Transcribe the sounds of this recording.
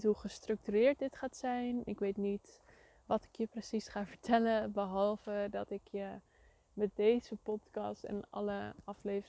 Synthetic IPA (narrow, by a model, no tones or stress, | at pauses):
tɦuχəstrɵk̚tyɾɪːɹt̚dɪtχaːtsɛjnɪ̰kʋejtnit | ʋɑtɪ̥kjəprəsisχaːvəɹtʰɛləbəɦɑlˠvədɑtɪkʰjə | mɛt̚dejzəpɔtkɑ̰stɛ̰nɑ̰ləʔɑflejv